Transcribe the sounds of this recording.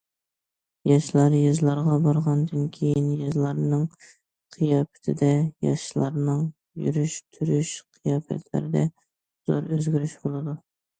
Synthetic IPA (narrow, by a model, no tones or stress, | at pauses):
jɑʃlˠɑɾjɨzlˠɑɾʁɑbɑɾʁɑnd̪ɨnkʲʰejɪnjɨzlˠɑɾnɨŋ | qʰijɑpɪ̥t̪ʰɪd̪ɛjɑ̰ʃlˠɑɾnɨŋ | jy̰ɾyʃt̪ʰyɾyʃqʰijɑːfɛ̰t̪ʰlɪ̰ɾɪd̪ɛ | z̥oɾøzɡʲyɾyʃbolˠɨd̪u